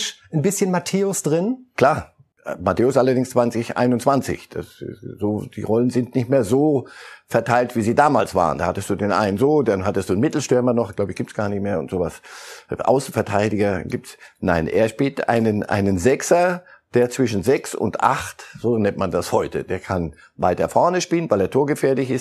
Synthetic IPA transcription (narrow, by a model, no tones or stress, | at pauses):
ʃnbɪsçənmatʰeːʊsd̥ʁɪnkl̥aːɐ | matʰeːʊsʔalɐdɪŋst͡sv̥ant͡sɪçʔa̰ɪnʊntt͡sant͡sɪ̰çd̥a̰szoːd̥ḭːʁɔlənzɪntnɪçtmeːɐzoːfɛɐtʰaɪltv̥iːziːdaːmaːlsv̥a̰ːʁə̰ndaːhatəstd̥uːdeːnʔa̰ɪnənzoːdanɦatəstd̥uːnmɪtl̩ʃtʏɐmɐnɔχɡ̥laʊbəçɡiːptsɡ̥aːɐnɪçtmeːɐʊ̰ntz̥oːvasʔa̰ʊsn̩fɛɐtʰaɪdɪɡɐɡiːp̚tsna̰ɪnʔḛːɐʃpiːltʔa̰ɪnənʔa̰ɪnənzɛksɐd̥eːɐt͡sv̥ɪʃn̩zɛksʊ̰ntʔa̰χtz̥oːnɛntmandashɔʏtʰə̰d̥eːɐkʰan | vaɪtɐfɔɐnəʃpiːlənvaɪleːɐtʰoːɐɡəfeːɐlɪçɪs